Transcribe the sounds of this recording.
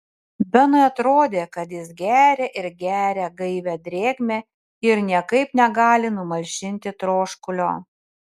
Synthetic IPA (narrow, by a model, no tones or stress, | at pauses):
bʲɛnɐɪɐt̪ɾoːd̪ʲeːkɐt̪jɪsɡʲæːɾʲɛːʔɪɾɡʲæːɾʲɛɡɐɪʋʲɛd̪ʲɾʲeːɡmʲeː | ɪɾnʲiɛkɐɪpnʲɛɡɑːlʲɪnʊmɐʒʲɪnʲt̪ʲɪt̪ɾoːʃkʊlʲo̰ː